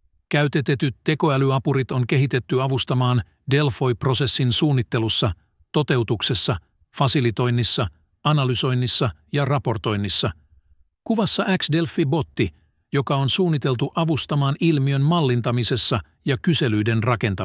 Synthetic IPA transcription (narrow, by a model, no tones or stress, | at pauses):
k̟æyt̪e̞t̪e̞t̪yt̪ːe̞ko̞ælyɑpuɾit̪o̞ŋk̟e̞ɦit̪e̞t̪ːyɑʋust̪ɑmɑːn | de̞lfo̞jpro̞se̞sːinsuːnːit̪ːe̞lusːɑ | t̪o̞t̪e̞wt̪ukse̞sːɑ | fɑsilit̪o̞jnːisːɑ | ɑnɑlyso̞jnːisːɑjɑrɑpo̞rt̪o̞jnːisːɑ | kuʋɑsːɑʔæksde̞lfibo̞t̪ːi | jo̞kɑo̞nsuːnːit̪e̞lt̪uʔɑʋust̪ɑmɑːnilmiø̞nmɑlːint̪ɑmise̞sːɑ | jɑkyse̞lyjde̞nrɑke̞nt̪ɑ